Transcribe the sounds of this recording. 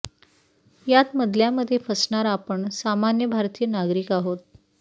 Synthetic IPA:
jat̪məd̪ʱljaməd̪ʱːjefəsɳaɾapəɳsamanjəbʱaɾt̪iːənaɡɾikaɦot̪̚

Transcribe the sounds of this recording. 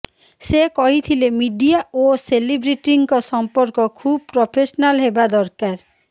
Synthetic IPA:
sekɔɦit̪ʰilemiɖiaoselibɾiʈiŋkɔsɔmpɔɾkɔkʰub̚pɾopʰesɔnalɦebad̪ɔɾkaɾ

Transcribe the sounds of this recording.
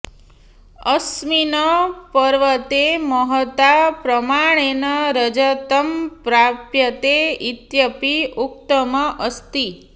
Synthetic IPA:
əsminəpəɾʋət̪eməɦət̪apɾəmaɽ̃enəɾəd͡ʒət̪əmpɾapjət̪eit̪jəpiukt̪əməʔəst̪i

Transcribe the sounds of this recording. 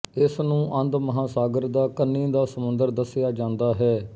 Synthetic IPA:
ɪsnũːʔə̃nd̪məɦaːsaːɡəɾd̪aːkənːĩːd̪aːsəmʊnd̪əɾd̪əsɪjaːd͡ʒãːnd̪aːɦɛː

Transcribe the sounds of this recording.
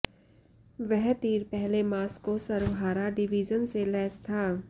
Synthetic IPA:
ʋɛɦt̪iːɾpɛɦlemaːskosɐɾʋɦaːɾaɖɪʋiːd͡ʒənselɛːst̪ʰaː

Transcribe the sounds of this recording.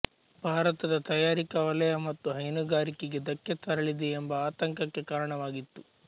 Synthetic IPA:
b̥ʱaːɾɐt̪ɐd̪ɐt̪ɐjaːɾikɐʋɐlɐjɐmɐt̪ːuɦɐjnuɡaːɾikeɡe̞d̪ɐkːɐt̪ɐɾɐɭid̪eːmbɐaːt̪ɐŋkɐkːe̞kaːɾɐɳɐʋaːɡit̪ːu

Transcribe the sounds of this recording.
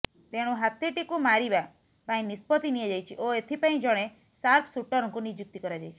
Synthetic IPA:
t̪eɽ̃ũɦat̪iʈikumaɾiba | pãĩnispɔt̪inied͡ʒajt͡ʃʰiʔoet̪ʰipaĩd͡ʒɔɽ̃e | saɾpʰsuʈɔɾɔŋkunid͡ʒuk̚t̪ikɔɾad͡ʒajt͡ʃʰi̥

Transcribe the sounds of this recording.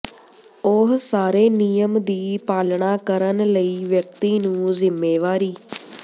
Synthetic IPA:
oɦsaːɾeːnijəmd̪iːpaːlɳaːkəɾənləiːʋjək̚t̪iːnũːzɪmːeːʋaːɾiː

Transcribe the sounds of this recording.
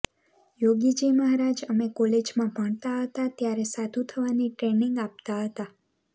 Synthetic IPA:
joɡid͡ʒiməɦaɾad͡ʒəmekɔled͡ʒmãbʱəɳt̪aɦət̪at̪jaɾesad̪ʱut̪ʰəʋaniʈɾeniŋɡap̚t̪aɦət̪a

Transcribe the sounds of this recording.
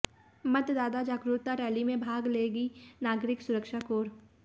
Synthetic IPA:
mət̪d̪aːd̪ad͡ʒaːkɾuːt̪aɾɛːlimẽbʱaːɡleːɡinaːɡɾɪksʊɾəkʃakoːɾ

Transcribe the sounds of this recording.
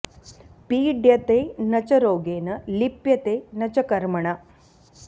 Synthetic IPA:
piːɖjɐt̪eːnɐt͡ʃɐɾoːɡeːnɐlipjɐt̪eːnɐt͡ʃɐkɐɾmɐɳ̃ɐ

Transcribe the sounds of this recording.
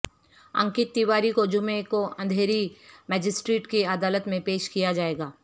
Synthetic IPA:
ɐ̰̃ŋkɪt̪ːiwaːɾikod͡ʒʊmẽkoɐ̃nd̪ʱeːɾimɛːd͡ʒɪsʈɾeːʈkeəd̪aːlət̪mẽpeːʃkijad͡ʒaːeːɡaː

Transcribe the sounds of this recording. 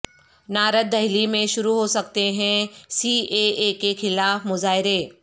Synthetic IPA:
naːɾət̪̚d̪ɐɦɪlimẽʃʊɾuɦosɐkt̪eɦɛ̃siːeekexɪlaːfmʊzaːɦɪɾeː

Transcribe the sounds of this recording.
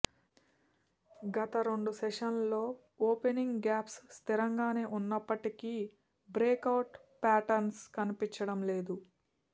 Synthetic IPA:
ɡɐt̪ɐɾo̞ɳɖusɛʂɐnlo̞ː | oːpeniŋɡɡaːpsːt̪iɾɐŋɡaːne̞ːʔunːɐpːɐʈiki | bɾeːkɐwʈ | paːʈɐɾnskɐnipiɲt͡ʃɐɽɐmle̞ːd̪u

